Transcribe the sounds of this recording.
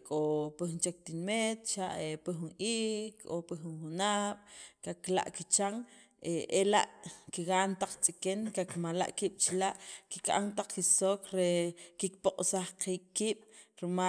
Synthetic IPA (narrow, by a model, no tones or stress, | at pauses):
kʼopixnt͡ʃek̚t̪inmet̪t͡ʃaʔepixunʔiːkopixunxunaɓ̥kakla̰ʔkit͡ʃaŋ | eʔela̰ʔkiɣaːnt̪aq͡χt͡sʼikenkakmala̰ʔkiːɓ̥t͡ʃilaʔkikʼa̰nt̪aq͡χkisoːkɾekik̚poqʼsaχqiːk̚ʼːiːɓ̥ɾima